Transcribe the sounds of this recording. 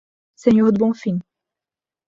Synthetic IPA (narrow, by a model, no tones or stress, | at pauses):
sɛɲœʁd̪əbɔ̃fĩ